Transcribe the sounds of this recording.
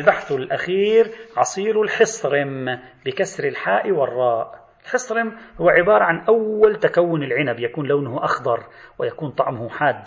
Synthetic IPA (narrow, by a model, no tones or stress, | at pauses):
lbaħθɪlʔaxiːɾʕɑsˤiːɾʊlħɪsˤɾɪmbɪkasɾɪlħaːʔɪwɪrˤːɑːʔ | ɪlħɪsˤɾɪmhʊwːaʕɪbɑːɾˤɑʕanʔawːalt̪akawːʊnɪlʕɪnabjakuːnlawnʊhʊʔɑxd̪ˤɑɾˤwɪjakuːnt̪ˤɑʕmʊhʊħaːd̪ː